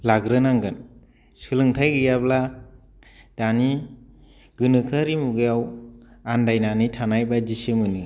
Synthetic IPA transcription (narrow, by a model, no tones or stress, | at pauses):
laɡɾɯnaŋɡɯn | sɯlɯŋtʰajɡɯjabla | d̥ani | ɡ̥ɯnɯkʰaɾimuɡɯjawandajnanitʰanajbad͡ʒisɯmɯnɯ